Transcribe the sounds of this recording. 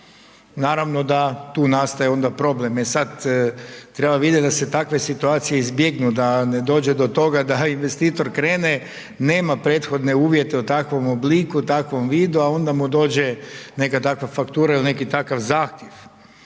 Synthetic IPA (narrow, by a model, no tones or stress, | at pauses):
naːɾaʋno̞d̪at̪uːnast̪ajeo̞nd̪apɾo̞ble̞mesad̪ | t̪ɾe̞baʋid̪jet̪d̪ase̞t̪akʋe̞sit̪uaːt̪sije̞izbje̞ɡnud̪ane̞d̪o̞ːd͡ʑed̪o̞t̪o̞ɡad̪ainʋe̞st̪iːt̪o̞ɾkɾe̞ːne̞ | ne̞ːmapɾe̞ːt̪xo̞d̪ne̞uːʋje̞t̪eut̪akʋo̞mobliːkut̪akʋo̞mʋiːd̪uao̞nd̪amud̪o̞ːd͡ʑe̞ne̞kat̪akʋafakt̪uːɾailine̞kit̪akaʋzaːxt̪je̞ʋ